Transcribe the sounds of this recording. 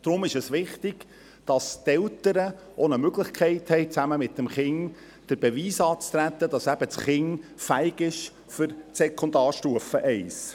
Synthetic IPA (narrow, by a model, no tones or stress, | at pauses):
d̪̥ɾʊmɪʃəsʋɪχt̪ɪɡ̥ | d̥ɑst̪ɛltəɾə | onəmøɡlɪχkʰɛɪthɛɪt͡sæməmɪtːəmχɪŋ | d̥əɾbɛʋiːsɑːt͡st̪ɾæt̪ːədɑsæb̥ətsχɪŋfæɪɡɪʃ | fʏɾsɛkʰɔnd̪ɑːɾʃtuəfəʔɛɪs